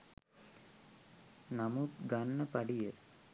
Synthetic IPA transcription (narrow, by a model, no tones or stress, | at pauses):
nɐmukɡanːɐpɐɖijə